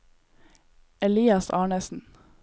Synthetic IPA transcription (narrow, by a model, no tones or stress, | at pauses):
ɛliːɑsɑːɳəsn̩